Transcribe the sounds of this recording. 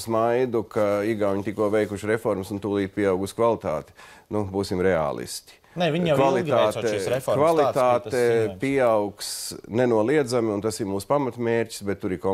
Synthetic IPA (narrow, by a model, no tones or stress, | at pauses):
smajd̪ukaiɡaʊɲt̪ikuɔʋɛjkuʃɾefɔɾmsunt̪uːlˠiːt̪̚pʲiɛawɡuskvalˠit̪a̰ːt̪nubuːsimɾɛa̰ːlˠḭst̪ʲi̥ | nɛviɲkvalˠit̪aːkvalˠit̪aːt̪ɛpiawksnenuɔlˠiɛd̪zamɪunt̪asimuːspamat̪meːɾʲci̥sbɛt̪ːuɾikɔ